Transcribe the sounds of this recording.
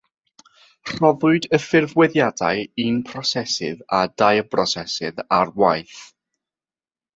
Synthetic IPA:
r̥ɔðʊɨdəfɪrvwɛðjada̰jinpʰrɔsɛsɪ̰ðadajəbrɔsɛsɪðarwajθ

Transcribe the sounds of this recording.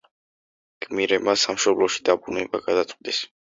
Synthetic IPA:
ɡ̥ʰʼmiɾɛbmasamʃɔblɔʃi̥d̪abɾunɛbaɡad̪at̪ʼd̪ɛs

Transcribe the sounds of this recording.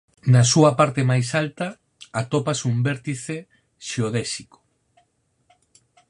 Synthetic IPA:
nɐsuɐpaɾt̪emajsalt̪ɐ | at̪opasumbɛɾt̪iθe | ʃeoðɛsiko̥

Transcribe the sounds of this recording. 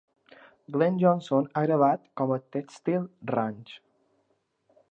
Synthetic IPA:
ɡlɛnd͡ʒɔnsonaɣɾəβ̞at̪kɔmət̪ɛkst̪ilˠrant͡ʃ

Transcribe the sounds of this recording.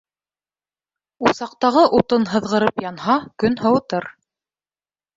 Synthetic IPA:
usɑq̚t̪ɑʁɤʔut̪ɤnɦɤ̆ðʁɤ̆ɾɤpjɑnhɑkɵnhɤ̆wɤ̆t̪ɤɾ

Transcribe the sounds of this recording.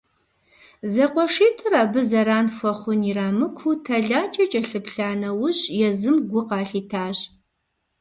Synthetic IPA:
zɐqʷʼɔʂiːtʰɨraːbɨzɐɾaːnfʷɐχʷʊniɾaːmɨkʷʰutʰɐɮaːt͡ʃʼɐt͡ʃʼɐɬɨpɬaːnɐwʊɕjɛzɨmɡʷʊqɑːɬiːtʰaːɕ

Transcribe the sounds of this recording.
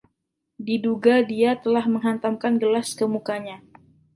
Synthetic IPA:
diduɡadiat̪əlahməŋɦant̪amkanɡəlaskəmukaɲa

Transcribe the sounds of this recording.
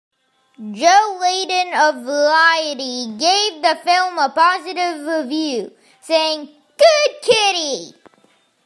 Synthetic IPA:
d͡ʒoʊleɪdɨ̃nəvəɹaɪɨɾiɡeɪvðəfɪlˠməpɑzɨɾɪvɹɪvjʉ | seɪɪ̃ŋ | ɡ̥ʊd̚kʰɪɾi

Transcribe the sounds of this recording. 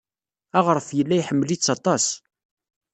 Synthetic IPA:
æʁəɾˤfjəlːæjħəmːlit͡sːɑt̪ˤɑs

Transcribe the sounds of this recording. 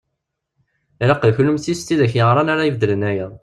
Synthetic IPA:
ɾɑqəðçlumθist̪iðæçjəʁɾˤɑnaɾajivd̪ələnæjæ

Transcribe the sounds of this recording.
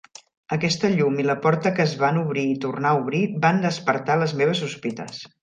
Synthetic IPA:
əkɛst̪əʎumiləpɔɾt̪əkəːzβanuβɾiːt̪urnauβ̞ɾiband̪əspəɾt̪aləzmeβ̞əsuspit̪ə̰s

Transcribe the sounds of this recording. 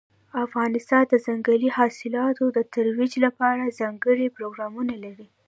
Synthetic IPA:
afɣɑnɪst̪ɑnd̪əzaŋɡalihɑsɪlɑt̪od̪ət̪aɾwid͡ʒlapɑɾazɑŋɡəɽipɾoɡɾɑmunalaɾi

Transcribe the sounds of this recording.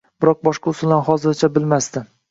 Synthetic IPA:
bɪɾɒq̚bɒʃqɑʊsʊlanhɒzɪɾt͡ʃʰabɪlmast̪ɪ

